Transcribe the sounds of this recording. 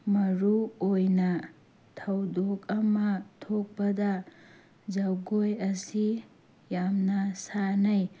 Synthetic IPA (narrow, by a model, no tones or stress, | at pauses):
mɐɾuojnɐ | tʰɐwdokɐmɐtʰok̚pɐdɐ | zɐwɡojɐsi | jamnɐsanɐj